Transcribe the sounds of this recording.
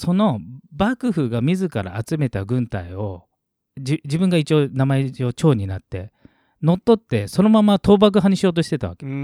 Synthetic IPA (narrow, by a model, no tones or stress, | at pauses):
so̞no̞bakɯ̟ɸɯ̟ɡamʲizɨkaɾa̰ːt͡sɨme̞t̪aɡɯ̟̃nt̪aio̞ | d͡ʑid͡ʑibɯ̟̃ŋɡait͡ɕio̞ːnamaeo̞ːt͡ɕo̞ːɲ̟inat̪ːe̞ | no̞t̪ːo̞t̪ːe̞so̞no̞mamat̪o̞ːbak̬ɯ̟ɦaɲ̟iɕioːt̪oɕi̥t̪e̞t̪aβa̰ke